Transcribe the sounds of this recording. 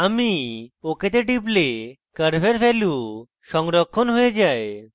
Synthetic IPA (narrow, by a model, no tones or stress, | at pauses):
amioket̪eʈip̬le | kəɾbʱeɾpʰelu | ʃɔŋɾɔkʰːonɦojed͡ʒae